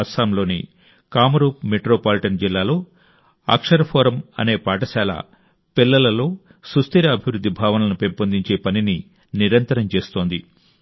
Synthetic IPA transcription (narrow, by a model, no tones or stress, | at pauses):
ɐɾsaːmlo̞ːnḭ | kaːmɐɾuːp̚meʈɾoːpaːliʈɐnd͡ʒilːaːlo̞ː | a̰ːkʂɐɾɐpʰoːɾɐmɐ̰ne̞ːpaːʈɐʃaːla̰ː | pilːɐlɐlo̞ː | sust̪iɾɐɐbʱiʋɾud̪ːibʱaːʋɐnɐlɐnupempɐnd̪iɲt͡ʃe̞ːpɐnini | niɾɐnt̪ɐɾɐmt͡ʃe̞ːst̪o̞ːnd̪i